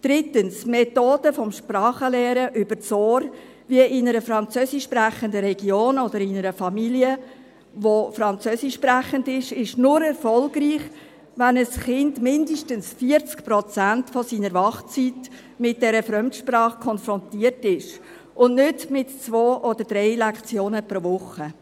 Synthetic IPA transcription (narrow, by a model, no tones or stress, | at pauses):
d̥ɾɪtənsmɛtoːd̥əfɔmʃprɑːχəlɛːɾəʔʏb̥əɾt͡soːɾ | viəʔɪnəɾəfɾɑnt͡søːsɪʃːpræχəndəɾɛɡ̥joːnɔdəɾɪnəɾəfɑmiliə | ʋofɾɑnt͡søːsɪʃːpɾæχəndɪʃɪʃnʊɾɛɾfɔlɡriːχ | ʋænəsχɪndmɪndəʃtənsfiəɾt͡skpɾɔt͡sæntfɔsiːnəɾʋɑχt͡sit | mɪt̚d̥ɛɾəfɾœmtʃprɑːχkʰɔnfɾɔntiːərtɪʃ | ʔʊnnʏdmɪtt͡sʋoːʔɔd̥̪əɾdɾɛɪlɛkt͡sjoːnəpɾoːvʊχːə